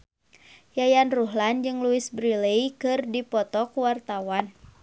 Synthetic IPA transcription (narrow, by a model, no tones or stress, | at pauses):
jajanruɦland͡ʒɨŋluɪsbɾilejkɨrdipɔt̪ɔkuwart̪awan